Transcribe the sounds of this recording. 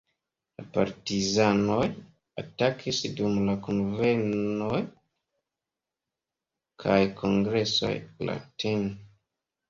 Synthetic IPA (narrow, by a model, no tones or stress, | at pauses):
lapa̰ɾtizanoj | atakisdumlakunvenoj | kʰajkʰoŋɡɾe̞so̞̰jla̰tʰen